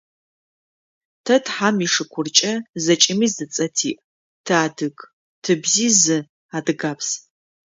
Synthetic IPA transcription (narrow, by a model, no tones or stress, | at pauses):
tʰɐtħamiʂɨkʷʰʊrt͡ʃʼɐzɐt͡ʃʼɪmizɨt͡sʼɐtʰḭːʔ | tʰaːdɨk | tʰɨbziːzɨ | adɨɡaːpʰs